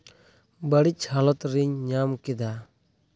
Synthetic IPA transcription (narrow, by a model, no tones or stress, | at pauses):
bəɽit͡ʃhalɔt̪ɾiɲɲamkɛd̪a